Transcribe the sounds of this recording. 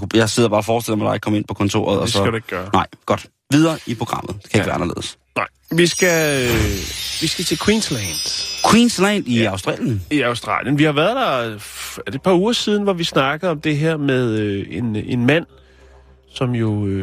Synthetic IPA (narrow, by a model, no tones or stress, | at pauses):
jɑ̈ɪse̝ð̞̰ˠɐb̥ɑːfɒːsd̥el̰mæd̥ɑ̈ɪɡ̥̚kʰɒ̽me̝npʰɒ̽kʰɒ̽nt͡sʰo̝̰ːɐ̰ð̩ˠɒsɒæɾeɡɡ̥ɡ̥ɶːɐnɑ̈ɪ̰ɡ̥ɒ̽d̥ | ʋið̞ˠɐːʔipʰʁo̝ɡ̥ʁɑ̈m̰ð̩ˠd̥e̥kʰæe̝ɡɡʋæɐɑnɐle̝̰ːðˠəs | nɑ̈ɪ̰ʋisɡ̥æøʋisɡ̥æt͡sʰe̝lkʰwiːnslænd̥kʰwinslænd̥iɑʊsd̥ʁɑ̰ːljəniɑ̈ʊsd̥ʁɑ̰̈ːljənʋihɑ̈ʋæɐðˠd̥ɑ̈ | æd̥e̥pʰɑ̈uːɐsiːð̞ˠn̩ʋɒʋisnɑ̈ɡ̥əð̩ˠɒ̽md̥e̝ɦeɐ̰með̞ˠøe̝ne̝nmæn̰ | sɒ̽mjo̝ø